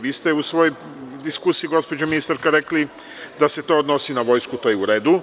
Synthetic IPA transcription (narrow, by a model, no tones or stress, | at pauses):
ʋiːst̪eusʋo̞joj | d̪iskusijiɡo̞spod͡ʑaminist̪aɾkaɾekli | d̪ase̞t̪o̞ːod̪no̞sinaʋo̞jskut̪ojeuɾe̞ːd̪u